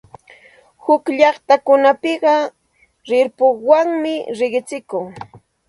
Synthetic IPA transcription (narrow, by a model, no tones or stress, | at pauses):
hʊkʎɑχt̪akʊnapɪɢɑ | ɾɪɾpʊwaŋmɪɾɪɢɪt͡sɪkʊŋ